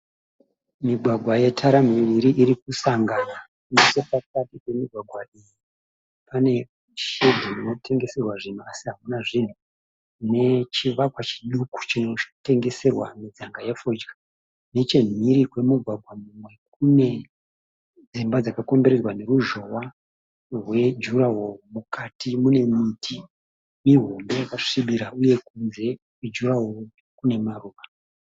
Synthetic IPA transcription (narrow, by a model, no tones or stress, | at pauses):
miɡʱwaɡʱwaje̞tʰaɾamiʋiɾiʔiɾik̚usaŋɡana | nese̞pakatikwe̞miɡʱwaɡʱwaiji | pane̞ | ʃedʱimino̞te̞ŋɡe̞se̞rwaʐin̤uasiɦamunaʐin̤u | ne̞t͡ʃiʋakwat͡ʃi̥ɗuku̥t͡ʃino̞t͡ʃḁte̞ŋɡe̞se̞rwa̰mid͡zaŋɡajefod͡ʒɡḁ | ne̞t͡ʃe̞m̤iɾikwe̞muɡʱwaɡʱwamumwe̞kune̞ | d͡zimbad͡zakako̞mbeɾerwane̞ɾuʒo̞ʋa | we̞d͡ʒuɾawo̞mukʰatimune̞mitʰi | miɦo̞mbe̞jakaʂiɓiɾauje̞kunze̞ | kwed͡ʒuɾawo | kune̞maruːma